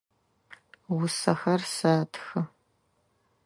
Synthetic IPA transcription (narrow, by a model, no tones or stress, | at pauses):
wʊsɐxɐrsaːtʰxɨ